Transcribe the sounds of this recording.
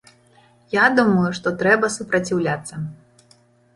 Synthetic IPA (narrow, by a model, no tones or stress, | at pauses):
jad̪umɐjuʂt̪ɔt̪ɾɛbɐsupɾɐt͡sʲiwlʲat̪sːɐ